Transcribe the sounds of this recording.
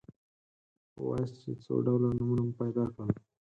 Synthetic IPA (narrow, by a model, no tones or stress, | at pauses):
wɑ̰jst͡ʃet͡so̰ɖawlanumunampajd̪ɑkɽəl